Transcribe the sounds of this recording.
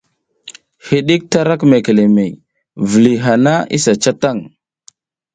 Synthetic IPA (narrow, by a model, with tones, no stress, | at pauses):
hi˨ɗi˦k̚ta˦ɾa˦kme˨ke˨le˨me˨j | və˨li˨ɦa˨na˦ḭ˦sa˨t͡ʃa˦ta˦˨ŋ